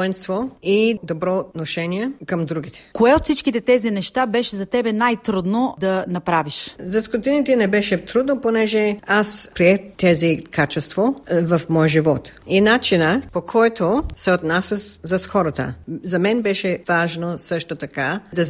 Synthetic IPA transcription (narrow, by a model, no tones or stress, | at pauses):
ɔɛnst̪void̪obɾɔːt̪noʃɛniɛkɐmd̪ɾuɡit̪ɛ̥koɛot̪sit͡ʃkit̪ɛt̪ɛzinɛʃt̪abɛʃɛzɐt̪ɛbɛnajt̪ɾud̪nod̪ɐnɐpɾaviʃzɐskot̪init̪ɛnɛbɛʃɛt̪ɾud̪noponɛʒɛaspɾiɛxt̪ɛzikat͡ʃɛst̪vovɐfmɔjʒivɔt̪inat͡ʃinəpokʰɔjt̪osɛot̪nasəszɐsxɔɾət̪ə̰zɐmɛnbɛʃɛvaʒnosɤʃt̪ot̪ɐkad̪ɐ